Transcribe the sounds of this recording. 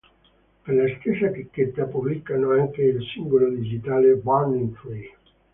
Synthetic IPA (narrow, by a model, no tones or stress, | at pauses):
perlast̪esːat̪ikːet̪ːapublikːanoaŋkeilsiŋɡolod̪id͡ʒit̪aːlebaniŋfle